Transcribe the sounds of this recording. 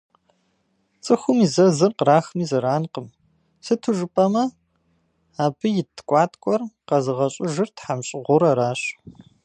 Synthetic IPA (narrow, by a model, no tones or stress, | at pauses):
t͡sʼɨxʷʊmizɐzɨrqəɾaːxmiːzɐɾaːnqəm | sɨtʰuʒɨpʼɐmɐ | aːbɨjɪtʰkʷʼɑːtʰʼkʷʼɔrqɐzɨʁɐɕʼɪʒɨrtħamɕʼɪʁʷʊɾɐɾaːɕ